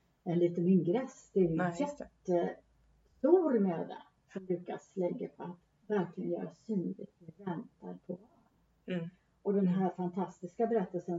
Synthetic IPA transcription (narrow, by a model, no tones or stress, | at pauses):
ɛnliːt̪ənɪŋɡɾɛsd̪̥ɛæɾjjɛtt̪ːə | st̪uːɾmøːd̪a̰ | sɔmlʉ̟ːkaslɛɡːapʰɔat̪ | væɾklɪɡənjœ̰ːɾasyːnlɪ̰t̪vɪvɛnt̪aɾpʰɔvɑɾ | ɔd̪ɛnɦæɾfant̪ʰast̪ɪskabɛɾɛt̪ːəlsən